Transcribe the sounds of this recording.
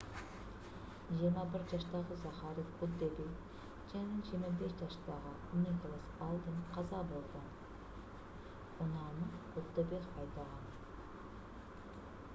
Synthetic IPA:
ʒijɾmɑbɪɾʒɑʃt̪ɑʁəzɑχɑɾifʊd̪ebek | ʒænɪʒiɾmɑbesʒɑʃt̪ɑʁə | nikolˠasɑlˠd̪ənqʰɑzɑbolˠd̪ə | ʊnɑnəqʊd̪ːebekɑjt̪ɑʁɑn

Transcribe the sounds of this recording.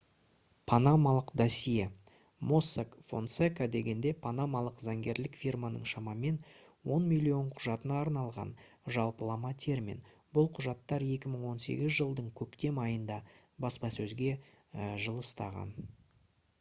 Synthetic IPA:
pʰanamalˠəqd̪ɑsije | mo̞sakfo̞̰nt̪sekad̪e̞ɡʲe̞nd̪e̞pʰanamalˠəqzɑŋɡʲe̞ɾlɪkfʲirmanə̰ɴʃɑmɑme̞n | wo̞nmʲilʲˠijo̞ɴqʰʊʒɑt̪ənɑːɾnɑlˠʁɑ̰n | ʒɑlˠpəlˠɑmɑt̪ʲʰe̞ɾmḭn | bʊlˠqʰʊʒɑt̪ːɑɾe̞kʲɪməɴwo̞nse̞̰ɡʲɪzʒəlˠd̪əɴkʲʰɵkt̪e̞mɑjənd̪ɑ | bɑspɑsɵzɡʲe̞ | ʒəlˠəst̪ɑʁɑ̰n

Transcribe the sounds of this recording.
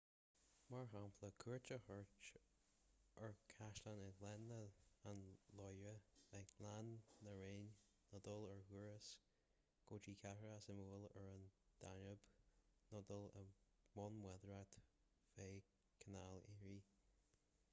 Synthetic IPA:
maɹɦampʰləkʰuɹt͡ʃəhɔɹt͡ʃ | ʔəɹkʰaʃlanəɡlɛnːəanlɔjɹəɛlanːəɹeːnː | ɔd̪ələɹhuɹəs | ɡ̥oːt͡ʃiːkʰahɹəasəmuːləɹənd̪̥anəb̥nɔd̪ələ | mɔnmwɛd̪ɹat̪ | feː | kʰənaleɹi

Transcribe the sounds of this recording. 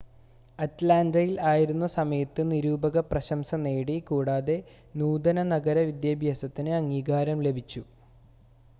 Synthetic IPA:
ɐtlaːndɐjilaːjiɾunːɐsɐmɐjɐt̪ːɨniɾuːbɐɣɐprɐɕɐmsɐne̞ːɽikuːɽaːðe̞ | nuːd̪ɐnɐnɐɡɐɾɐʋid̪jɐbʱjaːsɐt̪ːinɨɐŋːiːɡaːɾɐmle̞bʱit͡ɕːu

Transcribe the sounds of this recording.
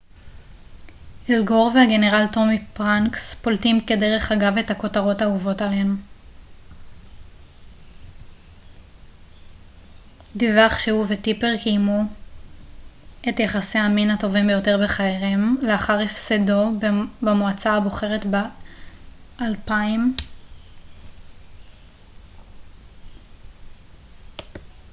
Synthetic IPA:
elɡo̞ʁvehaɡe̞ne̞ʁalto̞mipʁaŋkspoltimkede̞ʁe̞χaɡave̞thako̞taʁo̞tauvo̞talenu | divaχʃeuvetipe̞ʁkijmu | e̞tjaχasehaminato̞vimbejo̞te̞ʁbe̞χaeʁemleaχaʁefsedo̞bemoat͡saaboχe̞ʁe̞tbe | ʔalpaim

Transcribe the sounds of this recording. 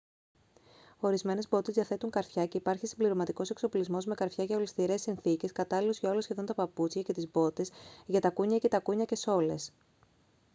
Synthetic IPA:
o̞ɾizme̞ne̞zbo̞t̪ezðiɐθe̞t̪uŋkɐɾfçɐce̞ipɐɾçisimbliɾo̞mɐt̪iko̞sekso̞plizmo̞zme̞kɐɾfçɐʝɐolist̪iɾe̞sːinθice̞skɐt̪ɐlilo̞zʝɐo̞lo̞sçe̞ðo̞nt̪ɐpɐput͡sçɐce̞t̪izbo̞t̪e̞sʝɐt̪ɐkuɲɐce̞t̪ɐkuɲɐce̞so̞le̞s

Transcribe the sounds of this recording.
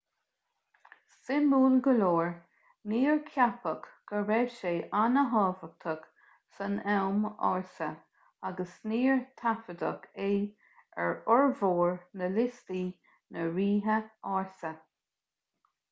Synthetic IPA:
sɪmuːlɡəloːɹ | niːɹkʰjapəkɡ̥əɾɛʃeːʔanəɦɑːvək̚t̪ʰək | sənɛwmɑ̰ɹsə | aɡəsniːɹt̪ʰafəd̪ə̰kʰe | ɛ̰ɹɔɹvoːɹnəlɪst̪iː | nəɹiːɦəɑːɹsə

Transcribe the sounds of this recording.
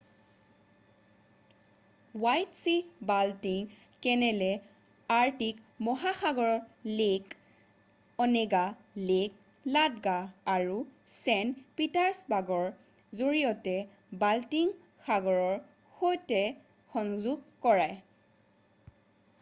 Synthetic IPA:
wajtsibaltiŋ | kɛnɛlɛ | aɹtik | mɔɦaxaɡɔɹɔɹlek | ɔnɛɡa | lek | ladɡaːɹusɛnpitaɹsbaɡɔɹ | zoɹijɔtɛ | baltiŋ | xaɡɔɹɔɹ | xojtɛ | xɔŋzuɡkɔɹaj

